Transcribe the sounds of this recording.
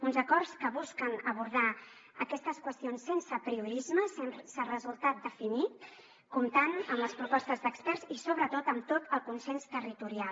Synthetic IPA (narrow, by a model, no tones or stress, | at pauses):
unzəkɔrskəβuskənəβuɾð̞a | ə̰kɛst̪əskwəst̪ionsːensəpɾiuɾizməssərəzulˠt̪at̪̚d̪əfinit̪ | kumt̪anəmləspɾupɔst̪əzd̪əkspɛrzisoβɾət̪ot̪əmt̪ot̪əlˠkunsenst̪ərit̪uɾial